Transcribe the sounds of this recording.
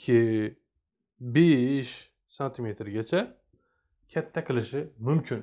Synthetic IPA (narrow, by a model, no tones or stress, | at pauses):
kʲʰɪ | beʃ | sant̪ʰimet̪ʰɾɡʲat͡ʃʰɛ | kʲʰɛt̪ʰːækʰɨlɪʃɪmymcʰyn